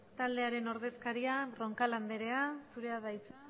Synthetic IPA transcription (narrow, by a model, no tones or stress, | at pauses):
t̪ald̪e̞aɾe̞no̞ɾðe̞skaɾiaro̞ŋkaland̪e̞ɾe̞asuɾe̞aðajt͡se